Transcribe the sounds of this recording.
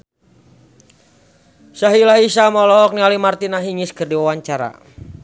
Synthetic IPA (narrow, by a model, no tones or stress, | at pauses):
saɦilaɦisamɔlɔk̚nialimart̪inaɦiŋɪskɨrdiwawaɲt͡ʃaɾa̰